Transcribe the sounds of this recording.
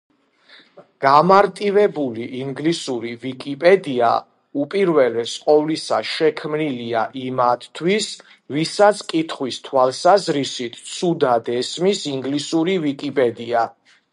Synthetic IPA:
ɡ̥amaɾt̪ʼivɛbuliʔiŋɡlisuɾivikʼipʼɛd̪ia̰ | upʼiɾvɛlɛsqʼɔvlisaʃɛkʰmniliaʔimat̪ʰt̪ʰwis | visat̪sʰkʼit̪ʰχwist̪ʰwalˠsazɾisit̪ʰt̪sʰud̪ad̪ɛsmisiŋɡlisuɾivikʼipʼɛd̪ia

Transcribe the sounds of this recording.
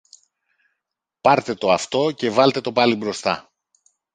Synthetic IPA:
pɐɾt̪e̞t̪o̞ɐft̪o̞ce̞vɐlt̪e̞t̪o̞pɐlibɾo̞st̪ɐ̰

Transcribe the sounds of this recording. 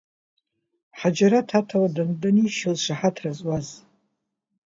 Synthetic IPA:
ħad͡ʒaɾatʰatʰawadandaniʃozʂaħatʰrazʼwaz

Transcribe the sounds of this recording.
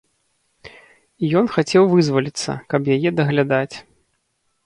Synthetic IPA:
ijɔnxat͡sʲɛwvɨzvɐlʲit̪sːɐ̰kɐpjajɛd̪ɐɣlʲad̪at͡sʲ

